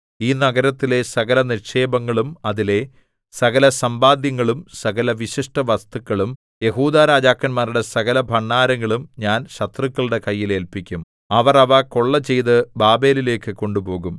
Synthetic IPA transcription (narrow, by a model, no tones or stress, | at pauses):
iːnɐɡɐɾɐt̪ːile̞sɐɣɐlɐnirʂe̞ːbɐŋːɐɭumɐðile̞ | sɐɣɐlɐsɐmbaːd̪jɐŋːɐɭumsɐɣɐlɐʋiɕiʂʈɐʋɐst̪ukːɐɭum | je̞ɦuːd̪aːɾaːd͡ʑaːkːɐnmaːɾuɽe̞sɐɣɐlɐbʱɐɳːaːɾɐŋːɐɭumɲaːnɕɐt̪rɨkːɐɭuɽe̞kɐjːile̞ːlpikʲːum | ɐʋɐrɐʋɐko̞ɭːɐt͡ɕe̞jðɨbaːbe̞ːlile̞ːkːɨko̞ɳɖubo̞ːɣum